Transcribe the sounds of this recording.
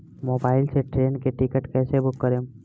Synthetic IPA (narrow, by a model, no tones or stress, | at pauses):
moːbaːɪlseʈɾeːnkeʈɪkəʈkɛːsebʊkːəɾẽː